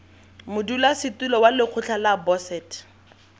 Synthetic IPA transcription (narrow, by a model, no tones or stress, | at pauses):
mʊdulasɪtulɔwalɪq͡χʰʊt͡ɬʰalabɔsɛːt